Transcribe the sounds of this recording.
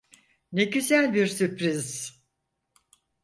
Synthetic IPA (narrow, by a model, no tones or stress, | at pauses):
neɟyzælʲbiɾsyɾpɾiz